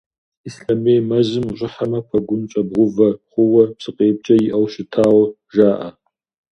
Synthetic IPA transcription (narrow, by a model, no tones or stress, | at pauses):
isɬɐmeːjmɐzɨmɕʷʼɪħamɐpʰɐɡʷʊnt͡ʃʼɐbʁʷʊvɐχʷʊwɐpsʼɨqʼeːp̚t͡ʃʼɐjɪʔɐwʃɪtʰaːwɐ | ʒaːʔɐ